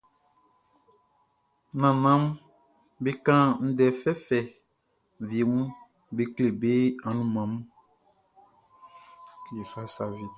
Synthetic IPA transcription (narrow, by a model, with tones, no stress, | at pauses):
nã˨nã˦m˦ | be˦kã˦n̩˦dɛ˨fɛ˦fɛ˨ | vi˨e˨mũ˦ | be˦kle˨be˦ã˨nũ˦mã˨mũ˦ | ke˨fa˦sa˨vi˨